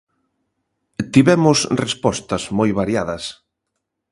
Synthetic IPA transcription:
t̪iβɛmʊsrespɔst̪ɐzmojβaɾjaðɐs

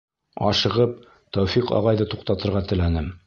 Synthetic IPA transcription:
ɒʃɤ̆ʁɤp̚ | t̪ɒwfiqɒ̰ʁɑjðɤt̪uqt̪ɑt̪ɤ̆ɾʁɑt̪ɘ̆lænɘm

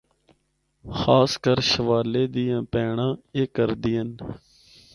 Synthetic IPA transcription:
xaːskəɾʃəʋaːleːd̪iːjãːpɛːɳãːeːkəɾd̪iːən

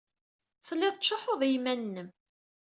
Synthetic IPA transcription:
θəlːɪðˤʃːoħoðˤjmænːəm

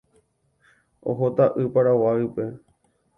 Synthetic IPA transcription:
o̰ɦot̪aʔɨpaɾawaipe

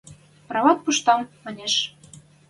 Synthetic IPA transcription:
prɑβɑt̪̚puʃt̪ɑmːɑnʲeʃ

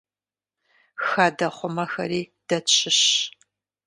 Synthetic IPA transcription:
xɐdɐχʷʊmɐxɐɾiːd̥ɐt͡ʃʰʼɪɕ

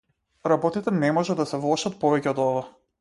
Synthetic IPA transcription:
ɾabɔt̪it̪ɛnɛmɔʒɛd̪asɛvlˠɔʃat̪̚pɔvɛcɛɔd̪ɔva

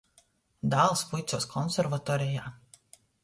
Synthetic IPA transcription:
d̪aːlˠspujt̪suɔskʰɔnsʲɛɾvat̪ɔːɾʲɛjaː

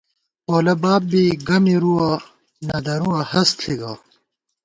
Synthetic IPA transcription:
poːlɐbaːb̚ːiɡɐmiɾuwa | nɐd̪ɐɾuwɐhɐsɬʰiɡaː

